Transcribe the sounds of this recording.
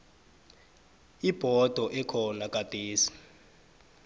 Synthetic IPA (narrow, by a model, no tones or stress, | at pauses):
ib̥ʱɔd̥ʱɔʔɛkʰɔnakʼad̥ʱeːsi̥